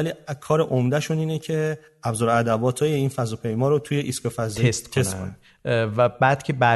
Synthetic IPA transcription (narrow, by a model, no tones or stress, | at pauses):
æliːkʰɒːɾeʔomd̪æʃuniːnecʰe̞ | æbzɔːɾæd̪æbɒːt̪ʰɒːjeiːnfæzɔːpʰe̞jmɒːɾot̪ʰujeʔiskofæzesst̪ʰsæt̪kʰon | væbæːd̪cʰebæ